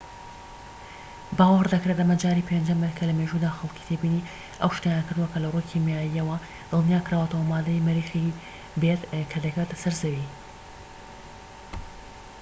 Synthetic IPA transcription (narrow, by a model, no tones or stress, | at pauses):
baːwɐɾd̪ɐkɾet̪ʔɐmɐd͡ʒaːɾiːpʰend͡ʒɐmɨt̪kʰɐlɐmeʒud̪aːxɐlˠkʰi̥t̪ʰebini | ʔɐ̰wʃt̪ajankɨɾd̪uwɐkʰɐlɐrujkʰimjaːjiɐwɐ | d̪̥ɨlˠnijaːkɾaːwət̪ɐwɐmaːd̪ɐjmɨɾiːxi | bet̪kʰɐd̪ɐket̪sɐɾzɐwi